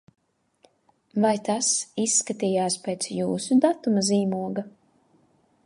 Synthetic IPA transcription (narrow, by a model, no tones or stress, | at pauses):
vajt̪asisːkat̪iːjaːspʲeːt̪sjuːsud̪at̪umaziːmuɔɡa